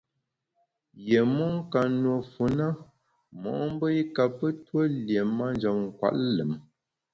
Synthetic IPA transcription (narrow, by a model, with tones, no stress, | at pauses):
je˨mɔ˦ŋ̩˦ka˨n˨o˨fu˨na˦ | mɔ̰˨ʔm˦bə˦i˦ka˨pə˦two˦lje˨ma˦n˦d͡ʒɔ˨mŋ̩˨kwa̰˦˨ʔlə˨m